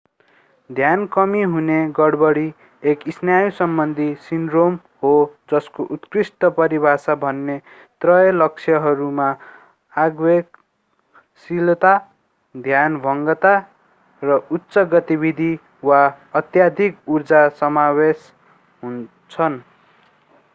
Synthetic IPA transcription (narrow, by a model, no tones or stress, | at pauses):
d̪ʱjankʌmiɦuneɡʌɽbʌɽi | ekisnjajusʌmbʌnd̪ʱisinɖrom | hɦod͡zʌskoʔut̪krisʈʌpʌɾibʱasabʱʌnːe | t̪rʌjʌlʌk̚t͡sʰjʌɦʌɾuma | aɡwek | silt̪a | d̪ʱjanbʱʌŋɡʌt̪a | rʌutːsʌɡʌt̪ibid̪ʱi | wa | ʌt̪jad̪ʱikurd͡zasʌmawes | ɦun | t͡sʰʌn